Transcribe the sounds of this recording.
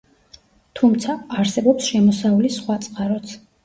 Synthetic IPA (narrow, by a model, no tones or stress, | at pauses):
t̪ʰumt̪sʰaːɾsɛbɔpsʃɛmɔsaulisχwat̪sʼqʼaɾɔt̪sʰ